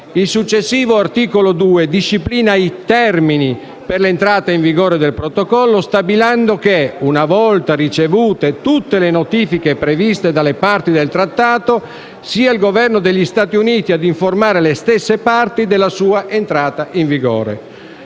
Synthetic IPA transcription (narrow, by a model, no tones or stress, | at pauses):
ilsut͡ʃːesːiːvoart̪iːkolod̪uːed̪iʃːipliːnajt̪ɛrmini | perlent̪ɾaːt̪aiɱviɡɔːɾed̪elpɾot̪okɔlːost̪abiland̪okeunavɔlt̪arit͡ʃevuːt̪et̪ut̪ːelenot̪iːfikepɾevist̪ed̪alːepart̪id̪elt̪ɾat̪ːaːt̪o | siːailɡovɛrnod̪eʎːist̪aːt̪iuniːt̪iad̪iɱformaːɾelest̪ɛsːepart̪id̪elːasuːaʔent̪ɾaːt̪aʔiɱviɡɔ̰ːɾḛ